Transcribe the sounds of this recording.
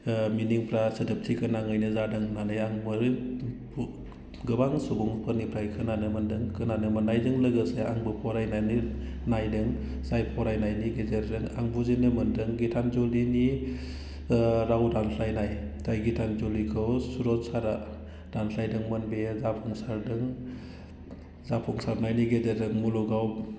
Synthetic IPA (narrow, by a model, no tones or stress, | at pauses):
miniŋpʰɾasɯdɯp̚tʰikʰɯnaŋɯjnɯzadɯŋnanɯjaŋbɯɾ | ɡɯbaŋsubuŋpʰɯnipʰɾajkʰɯnanɯmɯndɯŋkʰɯnanɯmɯnːajdɯŋlɯɡɯsea̰ŋbɯpʰɔɾajnajnɯ | najdɯŋ | zajpʰɔɾajnajniɡezeɾdɯŋa̰ŋbuzinɯmɯndɯŋɡitʰanzɔlini | ɾawdanpʰlajnaj | tʰajɡitʰanzɔlikʰɯwsuɾɔtsaɾa | d̥anpʰlajdɯŋmɯnbezapʰuŋsaɾdɯŋ | zapʰɔŋsaɾnajniɡezeɾdɯŋmuluɡaw